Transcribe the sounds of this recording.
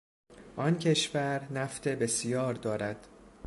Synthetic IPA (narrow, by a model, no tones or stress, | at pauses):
ʔɒncʰe̞ʃvæɾnæft̪ʰe̞be̞sijɒːɾd̪ɒːɾæd̪̥